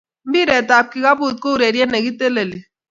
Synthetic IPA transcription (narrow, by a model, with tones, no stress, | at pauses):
m̩˦bi˦ɾe˨ta˨p̚ki˨ɣa˦bu˦˨tko˦˨ɾe˨ɾje˦ne˨ɡi˦te˦le˨li˨